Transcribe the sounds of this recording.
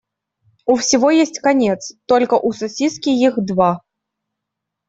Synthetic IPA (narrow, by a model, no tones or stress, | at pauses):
ʊfsʲɪvojesʲtʲkɐnʲet̪st̪olʲkəʔʊsɐsʲiskʲɪjixd̪va